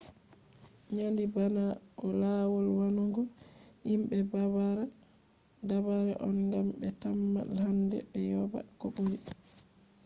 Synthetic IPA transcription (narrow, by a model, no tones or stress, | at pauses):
ɲandibanaʔɔlaːwɔlwanuŋɡɔ | imbɛbaβaɾa | dabaɾɛʔɔnɡambɛtamːa̰lhandɛ̰bɛjɔba̰koɓoɾi